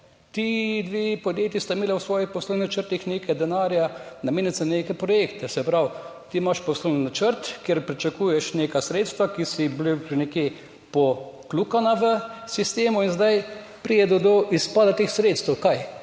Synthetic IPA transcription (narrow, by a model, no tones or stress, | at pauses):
t̪id̪ʋeːpɔd̪jeːt̪jist̪aɪmeːlɛwsʋɔːjixpɔslownʲinat͡ʃəɾt̪ixneːkajd̪ɛnaːɾjanɐmeːnjasɛneːkɛpɾɔjekt̪ɛsɛpɾawt̪imaʃpɔslowninat͡ʃəɾt̪keɾpɾit͡ʃakuːjɛʃneːkasɾeːt̪st̪ʋakisiblipnɛkje | pɔklukanaʋəsist̪eːmuinzd̪aj | pɾijɛd̪ɔd̪ɔʔispad̪at̪eːxsɾeːt̪st̪ɛwkaj